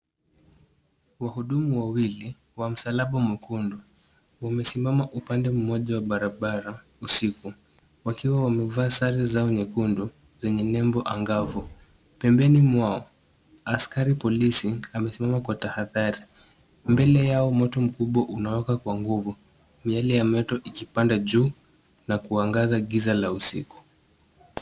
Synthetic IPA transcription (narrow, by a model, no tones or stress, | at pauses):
wahuɗumuwawili | wam̩salaɓamwɛkundu | wamɛsimamaʔupandɛm̩mɔʄawaɓaɾaɓaɾa | usiku | wakiwawamɛvaːsaɾizaɔɲɛkundu | zɛɲɛnɛmbɔʔaŋɡavu | pɛmbɛnimwaɔ | askaɾipɔlisiamɛsimamakwatahaðaɾi | mbɛlɛjaɔmɔtɔm̩kuɓwaʔunawɛkakwaŋɡuvu | mialijamɔtɔʔikipandaʄuː | nakuaŋɡazaɠizalausḭku̥